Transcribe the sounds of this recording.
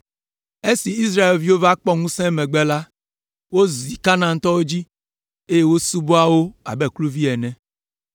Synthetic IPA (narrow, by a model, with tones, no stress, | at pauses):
e˦si˨i˦sɾa˦e˨lvi˦wo˦va˦k͡pɔ˦ŋũ˦sɛ̃˦mɛ̃˨ɡ͡bɛ˦la˦ | wo˦zi˨ka˦nã˨ŋ̩˦t̪ɔ˦wo˦d͡ʑi˦ | e˦je˦wo˦su˦bo˦a˦wo˦a̰˨bɛ˦˨klu˦vi˦ɛ˨nɛ̃˨